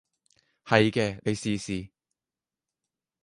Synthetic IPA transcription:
hɐ˨jkɛː˧ne˨˧jsiː˨˧siː˨˧

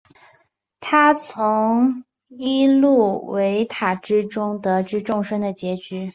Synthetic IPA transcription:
t̪ʰa˥t͡sʰʊ˧˥ŋ | i˥lu˥˩we˧˥ɪt̪ʰa˨˩ʈ͡ʂɻ̩˥ʈ͡ʂʊ˥ŋt̪ɤ˧˥ʈ͡ʂɻ̩˥ʈ͡ʂʊ˥˧ŋʂə˥ŋd̪ə˨t͡ɕjɛ˧˥t͡ɕy˧˥

